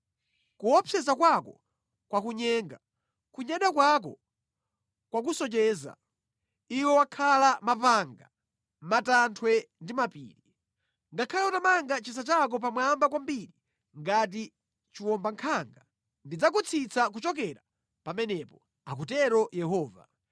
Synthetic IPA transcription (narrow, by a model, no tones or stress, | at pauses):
kuɔpʰɛzakwakɔ | kwakuɲɛŋɡa | kuɲaɗakwak̬ɔ | kwak̬usɔt͡ʃɛːza̰ | iwɛwakʰalamapaŋɡa | matantʰwɛndimapḭːɾi | ŋɡakʰajɔtamaŋɡat͡ʃis̬at͡ʃak̬ɔp̬amwambak̬wambiɾi | ŋɡat̬i | t͡ʃiwɔmbaŋkʰaŋɡa | ndid͡zak̬ut͡sʰit͡sʰakut͡ʃɔk̬ɛɾa | pamɛnɛpɔ | ak̬utɛɾɔjɛɦɔːva̰